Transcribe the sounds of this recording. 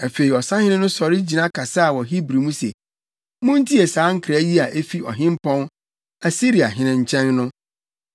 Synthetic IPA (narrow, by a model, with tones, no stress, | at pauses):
a˨fe˨ɾi˨ɔ˨sã˦hɪ̃˦nɪ̃˦nʊ̃˦sɔ˨ɾɪ˦d͡ʑi˨nã˦kʰa˨sa˦a˨wɔ˨ɦi˦bɾi˨mũ˦sḛ˨ | mʊ̃˦n˦tʰi˦e˨sãː˨˦ŋ̩˦kʰɾa˦ji˦a˨ʔe˦fi˦ɔ̰˨ɦɪ̃˦m˦pʰɔ̃˦n | a˨si˦ɾi˨a˨ɦɪ̃˦nɪ̃˨ɲ̩˦˨t͡ɕʰɛ̃˦nːʊ̃˦